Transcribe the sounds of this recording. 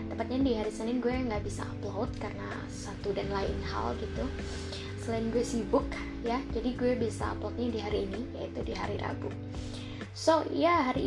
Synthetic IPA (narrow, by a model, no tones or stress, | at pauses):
t̪əmpat̪̚ɲandiɦaɾisənɪnɡuɛŋɡaʔbisa̰ːplowt̪̚karəna̰ | sat̪udanlaɪ̰nha̰lɡit̪u | səlaɪnɡuwɛsibʊk | jad͡ʒadiɡuɛbisa̰ːplot̪̚ɲadiɦaɾiːnijait̪udiɦaɾiɾa̰bu | sojaɦaɾi